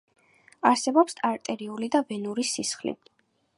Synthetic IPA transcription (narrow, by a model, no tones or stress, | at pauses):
aɾsɛbɔpsaɾt̪ʼɛɾiulid̪avɛnuɾisisχlḭ